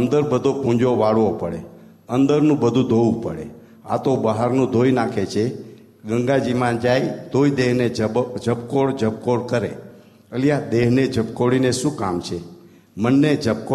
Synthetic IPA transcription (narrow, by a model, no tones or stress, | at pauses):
ənd̪əɾbəd̪ʱopũd͡ʒoʋaɽʋopəɽḛ | ənd̪əɾnũbəd̪ʱũd̪ʱoʋũpə̰ɽḛ | a̰t̪obəɦaɾnũd̪ʱojnakʰet͡ʃʰe | ɡəŋɡad͡ʒimãd͡ʒajt̪oid̪eɦned͡ʒəbkoɽd͡ʒəp̚koɽkəɾe | əljad̪eɦned͡ʒəpkoɽineʃũkamt͡ʃʰe | mənːed͡ʒəp̚ko